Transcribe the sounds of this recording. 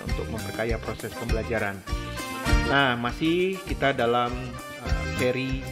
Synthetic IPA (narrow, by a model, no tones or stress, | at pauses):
ṵnt̪ʊk̚məmpərkajapɾosɛspəmbəlad͡ʒaɾan | nahmasɪhkit̪adalam | əfeɾi